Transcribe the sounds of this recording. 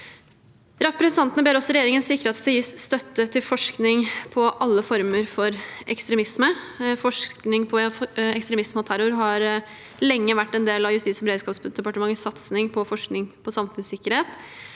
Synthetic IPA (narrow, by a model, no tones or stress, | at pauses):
ɾɑfpɾɛsnʰɑnt̪ənəbeːɾɔsːɔɾɛjeːɾɪŋənsɪkːəɾeːt̪siːsst̪œt̪ːət̪ʰɪlfɔʂknɪŋpʰɔʔɑlːəfɔɾməɾfɔɾɛkst̪ɾɛmɪsməfɔʂknɪŋpʰɔɛkst̪ɾɛmɪsmhot̪ʰæɾʊɾɦɑɾ | lɛŋːəʋæʈːɛnd̪eːlɑʋjʉst̪iːtsbəɾeːd̪skɑːpsd̪ɛpɑʈəmɑŋːəsɑt̪snɪŋpʰɔfɔʂknɪŋpʰɔsɑmfʉnsɪkːəɾheːt̪